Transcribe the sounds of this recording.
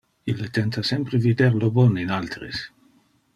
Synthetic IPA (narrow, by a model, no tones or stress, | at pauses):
ilːet̪ɛnt̪asɛmpɾevid̪eɾlobɔninalt̪ɾḛs